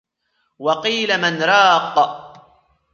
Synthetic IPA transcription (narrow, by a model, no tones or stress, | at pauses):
wɑqiːlamanɾˤɑːqː